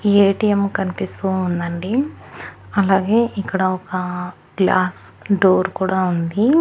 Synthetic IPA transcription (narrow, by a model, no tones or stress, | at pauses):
eːʈijɐmkɐnipist̪uːnd̪ɐɳɖi | ɐlaːɡe̞ːʔikːɐɽɐɔkɐ | ɡlaːs | ɖoːɾkuːɽaːund̪i